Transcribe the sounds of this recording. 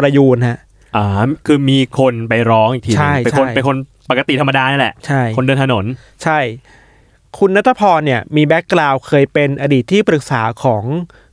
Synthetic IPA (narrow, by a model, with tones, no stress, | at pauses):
pɾa˧juː˧˩n̚ha˦˥ʔ | ʔaː˧˩kʰɯː˧miː˧kʰo˧npa˧jɾɔː˦˥ŋʔi˨˩t̪ʰiː˧t͡ɕʰa˥˧˩je˧t͡ɕʰakʰo˧˩jpe˧nkʰo˧npa˨˩kːa˧t̪i˨˩t̪ʰa˧mːa˧daː˧na˥˩lɛ˨˩ʔt͡ɕʰa˥˩jkʰo˧ndɤː˧nt̪ʰa˧no˩˦n | t͡ɕʰa˥˩j | kʰu˧nːa˦˥t̪ʰːa˧˩pʰɔː˧nːi˥˩ɐmiː˧bɛ˦˥kːlaː˧wkʰɤː˧jpe˧nʔa˧diː˨˩t̪ʰːiː˥˩pɾɯ˨˩k̚saː˩˦kʰɔː˩˦ŋ